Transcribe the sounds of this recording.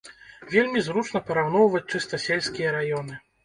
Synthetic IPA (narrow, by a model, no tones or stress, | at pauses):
vʲelʲmʲizɾut͡ʂnɐpɐɾawn̪ɔwvɐt͡s̚ʲt͡ʂɨst̪ɐsʲelʲsʲkʲijɐɾajɔn̪ɨ